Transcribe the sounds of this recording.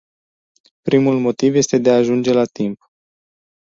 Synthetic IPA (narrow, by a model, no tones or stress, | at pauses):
pɾimulmo̞t̪ivje̞st̪e̞d̪eaːʒund͡ʒe̞lat̪imp